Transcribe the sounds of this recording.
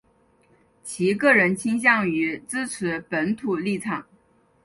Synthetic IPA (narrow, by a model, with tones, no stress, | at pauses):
t͡ɕʰi˧˥kɤ˥˩ɻə˧˥nt͡ɕʰi˥ŋɕ̬jɑ˥˩ŋy˧˥t͡sɹ̩˥t͡sʰɹɻ̩˧˥pə˧˥nt̪ʰu˨˩li˥˩ʈ͡ʂʰɑ˨˩˦ŋ